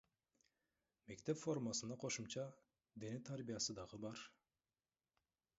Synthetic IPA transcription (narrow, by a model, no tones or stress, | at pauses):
me̞kt̪e̞pfo̞ɾmasɯnɑqʰo̞ʃumt͡ʃɑ | d̪enet̪ʰaɾbijɑsɯd̪ɑʁɯbɑɾ